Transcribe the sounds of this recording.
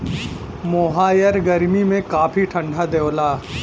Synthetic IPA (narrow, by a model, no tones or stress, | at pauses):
moːɦaːjəɾɡɐɾmimẽkaːpʰiʈʰɐ̃ɳɖʱad̪ewlaː